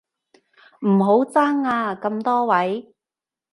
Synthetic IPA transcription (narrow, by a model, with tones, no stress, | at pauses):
m̩˨˩ɦo˨˥wt͡saː˥ŋaː˧kɐ˧mt̪ɔː˥wɐ˨˥j